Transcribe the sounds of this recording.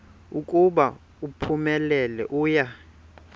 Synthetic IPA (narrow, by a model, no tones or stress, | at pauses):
ukʼuɓa | upʰumɛlɛlɛ̰ʔuːja